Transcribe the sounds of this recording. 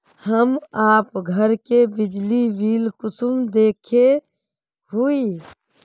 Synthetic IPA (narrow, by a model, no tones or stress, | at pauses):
həmaːpɡʱəɾkebɪd͡ʒliʋiːlkʊsumd̪eːkʰe | ɦui